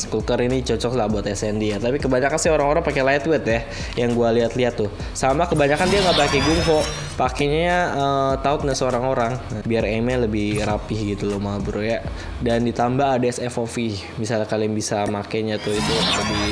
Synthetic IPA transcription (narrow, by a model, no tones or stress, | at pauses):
skukəɾinit͡ʃɔt͡ʃɔklahbuat̪ɛsɛndiat̪apikəbaɲakansioɾaŋoɾaŋpakɛlajt̪wɪt̪ja | jaŋɡualiɦat̪liat̪ːʊh | samakəbaɲakandiaŋɡaʔbakeɡʊŋɦɔ | pakeɲaət̪aʊt̪̚nasəoɾaŋoɾaŋbiaremɛləbɪhrapɪhɡit̪ulomaubuɾoja | dandit̪ambaːdaɛsɛfofi | misalakaliaŋbisamakaɲat̪ʊit̪uləbi